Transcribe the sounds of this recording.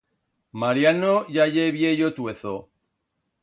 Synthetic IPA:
maɾjanoʝaʝeβjejot̪weθo

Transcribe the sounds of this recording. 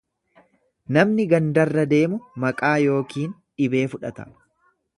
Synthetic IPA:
nɐmnɪɡɐnd̪ɐrːɐd̪e̞ːmʊmɐkʼaːjo̞ːkiːn | ᶑɪbe̞ːfʊᶑɐt̪ɐ

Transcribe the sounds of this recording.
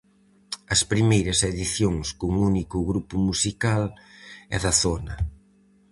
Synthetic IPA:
ɐspɾimejɾɐseðiθjoŋskʊŋunikʊɣɾupʊmusikalɛ̰ðɐθonɐ

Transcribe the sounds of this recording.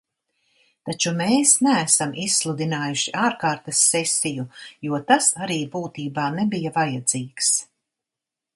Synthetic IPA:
t̪at͡ʃumeːsnæːsamisslˠud̪inaːjuʃiʔaːɾkaːɾt̪ɐsːɛsʲijujuɔt̪asaɾiːbuːt̪iːbaːnebijavajad̪ziːks

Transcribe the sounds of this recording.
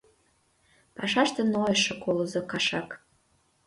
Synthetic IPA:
pɑʃɑʃt̪ĕnoeʃɤ̆kolŏzokɑʃɑk

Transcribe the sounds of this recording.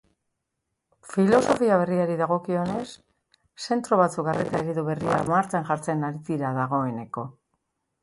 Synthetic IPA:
filo̞so̞fiaβ̞e̞riaɾiðaɣ̞o̞kio̞ne̞sː | e̞nt̪ɾo̞β̞at͡suk̚ɡaret̪aeɾiðuβe̞ria̰maɾt͡ʃaŋʝaɾt͡se̞naɾiðiɾaðaɣ̞o̞e̞ne̞ko̞

